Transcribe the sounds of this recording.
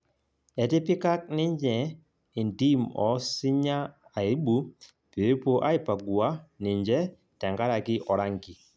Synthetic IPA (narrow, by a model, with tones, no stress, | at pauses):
ɛ˨ti˦pi˦ka˦k̚nɪ˦ɲd͡ʒɛ˨ | i˨ndi˦mɔ˨si˦ɲa˦a˨e˦bu˨˦ | pe˨e˦po˦ʔa˦i˨pa˨ɡwa˦ni˨ɲd͡ʒɛ˦ | tɛ˨ŋɡa˦ɾa˨ki˦ʔɔ˨ɾa˦ŋɡi˨